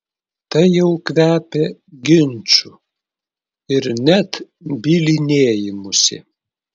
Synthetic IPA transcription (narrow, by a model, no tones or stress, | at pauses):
t̪ɐɪjɛʊkʋʲæːpʲeɡʲɪnʲˑt͡ʃʲʊ | ɪɾnʲɛt̪ | bʲiːlʲɪnʲeːjɪmʊsʲɪ̰